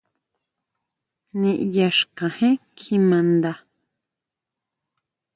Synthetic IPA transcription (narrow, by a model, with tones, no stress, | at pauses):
nĩ˧ʔja˧ʃkã˨hẽ˦kʰi˧mã˧nd̪a˧